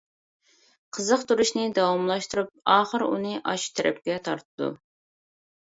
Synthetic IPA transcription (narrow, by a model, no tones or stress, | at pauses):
qʰəzəqt̪ʰuɾuʃnɨd̪ɑwɑmlˠɑʃt̪uɾup̚ɑːχəɾṵnɨʔɑʃt̪ʰɛɾʔɛ̰p̚kʲɛt̪ʰɑ̰ɾt̪ʰɨd̪ṵ